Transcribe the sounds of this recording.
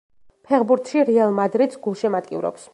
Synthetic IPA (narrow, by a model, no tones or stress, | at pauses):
pʰɛχbuɾt̪ʰʃiɾialˠmad̪ɾid̪sɡulˠʃɛmat̪ʼkʼḭvɾɔ̰ps